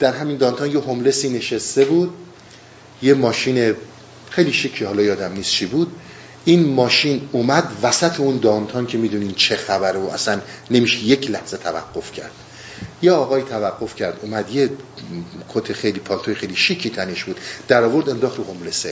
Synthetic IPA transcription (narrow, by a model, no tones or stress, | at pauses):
d̪̥æɾɦæmiːnd̪ɒːnt̪ʰɒnjeɦomle̞siːne̞ʃest̪e̞buːd̪̚ | jemɒːʃiːne | xejliːʃicʰːihɒːlɒːjɒːd̪æmniːst͡ʃʰibud̪ | iːnmɒːʃiːnuːmæd̪væsæt̪ʰeund̪ɒːnt̪ʰɒncʰe̞miːd̪uːniːnt͡ʃʰe̞xæbæɾoʔæ̰sænːe̞miːʃeje̞cʰlæhz̥e̞t̪ʰævæ̰ɡːo̞fcʰæ̰ɾd̪̥̚ | jeɒːɣɒːiːt̪ʰævæɡːo̞fcʰæɾd̪uːmæd̪je | kʰot̪ʰexe̞jliːpʰɒːlt̪ojexejliʃicʰːiːt̪ʰæneʃb̥uːd̪̥d̪̥æɾɒːvo̞ɾd̪e̞nd̪ɒːxt̪ɾuhomlese